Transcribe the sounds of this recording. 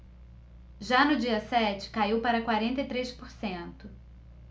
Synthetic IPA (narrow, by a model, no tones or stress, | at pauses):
ʒanʊd͡ʒiɐsɛt͡ʃɪ̥kaiwpaɾɐkwaɾẽnt̪ejt̪ɾejspoɾsẽnt̪ʊ